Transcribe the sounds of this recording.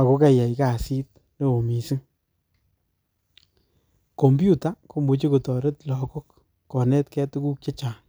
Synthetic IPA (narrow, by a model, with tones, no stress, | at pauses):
a˨ko˦ka˦ja˨ika˨si˦t̚ | ne˦o˨mi˨si˦ŋ | ko˨mbju˦ta˨˦ko˦mu˨t͡ʃe˦ko˨tɔ˨ɾe˦tlɔ˨ko˦kː | ɔ˨nɛ˦tkɛ˦tu˦ku˦k̚t͡ʃe˦t͡ʃaː˨n